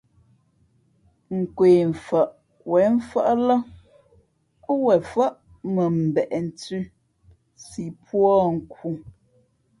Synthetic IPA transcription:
ŋ̩˨kweː˨ɱ̩˨fa˨ʔ | wɛ˨˦m̩˦fa˦ʔlə˦ | wɛ˨fa˦ʔ | mə˨m̩˨bɛ˨ʔɛ˨n̩˨tʉ˦ | si˨pwɔ˦ŋ̩˨ku˨

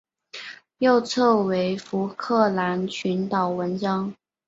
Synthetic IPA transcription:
jo˥˧ʊt͡sʰɤ˥˩we˧˥ɪfu˧˥kʰɤ˥˩la˧˥nt͡ɕʰy˧˥nt̪ɑ˨˩ʊwə˧˥nʈ͡ʂɑ˥ŋ

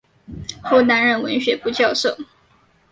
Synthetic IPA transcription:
xo˥˩ʊna˧˥nɻə˧˩nwə˧˥nɕɥɛ˧˥pu˥˧t͡ɕjɑ˥˧ʊʂo˥˩ʊ

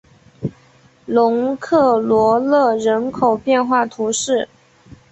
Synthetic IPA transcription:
lʊ˧˥ŋkʰɤ˥˩lwɔ˧˥lɤ˥˩ɻə˧˥nkʰo˨˩ʊpjɛ˥˧nxwa˥˩t̪ʰu˧˥ʂɻ̩˥˩

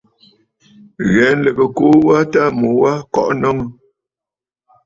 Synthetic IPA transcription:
ɣɛ˨˦n˦lə˨bə˨ko˦wa˦ta˦mo˨wa˦kɔ̰˦˨ʔnɔ˦ŋə˦

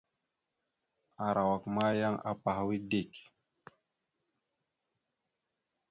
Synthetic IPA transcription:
a˨ɾʔa˨wa˨kma˦ja˦ŋa̰˨pa˨ha˦wi˦di˦˨k

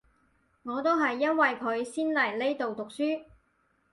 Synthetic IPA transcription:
ŋɔː˨˧t̪o˥wɦɐ˨jːɐ˥nwɐ˨jkʰɵ˨˧ɥsiː˥nlɐ˨˩jle˥jt̪o˨wt̪ʊ˨k̚syː˥

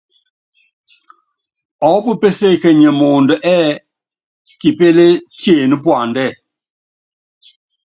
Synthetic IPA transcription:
ɔ˨˦pə˦pe˦se˦˨kɛ˨ɲɛ˨mo˨ndə˨ʔɛː˦ | ki˨pe˦le˦tje˨nə˦pwa˨ndɛ˦˨

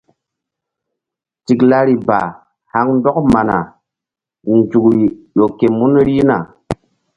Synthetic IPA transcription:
ti˨kla˦ɾi˨ba̰˨ | ha˦ŋn˦dɔ˦kma˨na˨ | n˨d͡ʒu˨kɾi˨ɗo˨ke˨mu˦n˦ɾi˦na̰˨

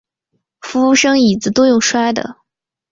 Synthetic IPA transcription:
fu˧˥ʂɤ˥ŋi˨˩d͡zɹ̩˧˥t̪o˥ʊjʊ˥˩ŋʂwa˥ɪd̪ə̰˨

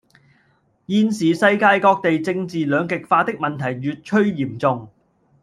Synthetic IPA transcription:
jiː˧nsiː˨sɐ˧jkaː˧jkɔː˧k̚t̪e˨jt͡sɪ˧ŋt͡siː˨lœː˨˧ŋkɪ˨k̚faː˧t̪ɪ˥k̚mɐ˨nt̪ʰɐ˨˩jɥyː˨t̚t͡ʃʰɵ˥ɥjiː˨˩mt͡sʊ˨˧ŋ

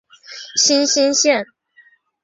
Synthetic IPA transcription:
ɕi˥nɕi˥nɕjɛ˥˩n

